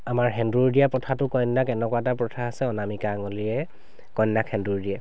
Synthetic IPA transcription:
amaɹɦɛndɹuɹdijapɹɔtʰatʊkɔjnːakɛnɛkwatapɹɔtʰaːsɛɔnamikaŋɔliɹɛ | kɔjnːakʰɛnduɹdiɛ

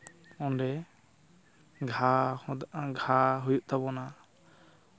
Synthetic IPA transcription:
ɔ̃nɖɛ | ɡʱa | ɡʱaɦujuʔ̚t̪aβɔna

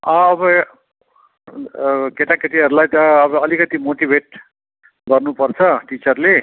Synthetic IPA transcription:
ʌ̃ːbʌ | keʈakeʈiɦʌɾulajt̪ʌːbʌːlikʌt̪imoʈibʱeʈ̚ | ɡʌrnupʌrt͡sʰʌʈit͡sʌrle

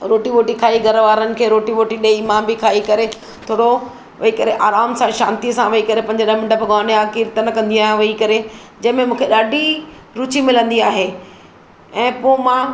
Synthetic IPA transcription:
ɾoːʈiʋoːʈikʰaːiɡʱɐɾʋaːɾənɪ̆kʰeːɾoːʈiʋoːʈiɗɐeɪmãːmbikʰaːikɐɾe | t̪ʰoːɽo | ʋɐikɐɾeʔaːɾaːmsãʃã̰ːnt̪iəsãʋɐikɐɾepɐ̃ɲd͡ʑəɗəɦmɪ̃ɳɖəbɡaːneaːkiɾt̪ənɐkɐ̃nd̪ĩaːɦij̃ʋɐikɐɾed͡ʑɐ̃ɦɪ̃mẽmũːkʰeɗaːɖʱi | ɾuːt͡ɕimɪlə̃nd̪iaːɦe | ɛ̃ːpomã

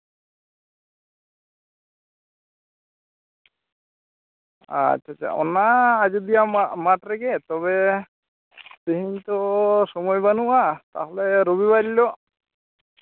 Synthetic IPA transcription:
a̰t͡ʃʰːat͡ʃa̰ʔɔ̰naːd͡ʒud̪ijamaʈɾɛɡɛt̪ɔβɛ | t̪iɦiɲt̪ɔsɔmɔjbanuʔat̪a̰ɦɔlɛɾobibaɾilɔʔ

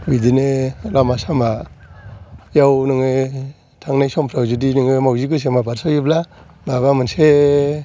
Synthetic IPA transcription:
bidinelamasama | jawnɯŋɯ | tʰaŋnajsɔmpʰɾawzudinɯŋɯmawziɡɯs̬emabaɾsʰajibla | baβamɯnse

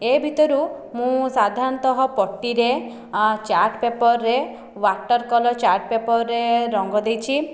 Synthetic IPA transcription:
ebʱit̪ɔɾu | mũsad̪ʱaɾɔnt̪ɔɦɔpɔʈːiɾe | t͡ʃaɾʈpepɔɾːe | waʈɔɾkɔlɔt͡ʃaɾʈ̚pepɔɾːeɾɔŋɡɔd̪ejt͡ʃʰi

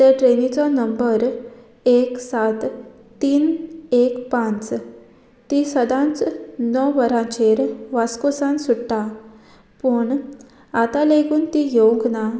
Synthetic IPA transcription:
t̪eʈɾenit͡sɔnəmbəɾ | eksat̪ː | iːnekpãnt͡s | t̪isəd̪ãnt͡snɔʋəɾãt͡ɕeɾʋaskosãnsuɽʈ̪a | pəɳ | at̪aleɡuːnt̪ijoɡna

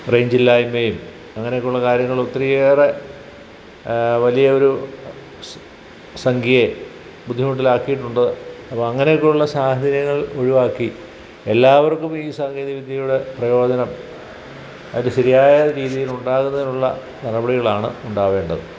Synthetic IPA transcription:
rejɲd͡ʑilːaːjimejum | ɐŋːɐnejokːuɭːɐkaːɾjɐŋːɐɭot̪ːrijeːre | ʋɐlijɐo̞ɾu | sɐŋɡʱije | bud̪ʱːiɐmuʈːilaːkːijiʈːuɳɖɐðɨɐpːɐmɐŋːɐne̞jokːeuɭːɐsaːhɐd̪ɐɾjɐŋːɐɭo̞ɻiʋaːkːi | elːaːʋɐrkːumiːsaːɡeːðiʋid̪ʱjɐjuɽe̞prɐjo̞ːdɐnɐm | ɐðindɨɕɐɾijaːjɐɾiːðijiluɳɖaːɣunːɐðinuɭːɐ̰ | nɐrɐbɐɽiɣɐɭaːɳɨ̰uɳɖaːʋe̞ːɳɖɐðɨ

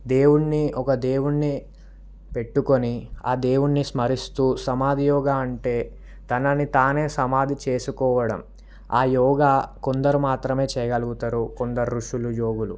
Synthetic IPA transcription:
d̪e̞ːwuɳːiɔkɐd̪e̞ːwuɳːi | pe̞ʈːuko̞niaːd̪e̞ːwuɳːismɐɾist̪uːsɐmaːd̪ijɔːɡaɐɳʈe̞ː | t̪ɐnɐnit̪aːne̞ːsɐmaːd̪ʱit͡ʃe̞ːsukɔːʋɐɽɐm | aːjɔːɡaːkond̪ɐɾumaːt̪ɾɐme̞ːt͡ʃɛːjɐɡɐluɡut̪aɾukond̪ɐɾɾuʂulujoːɡulu

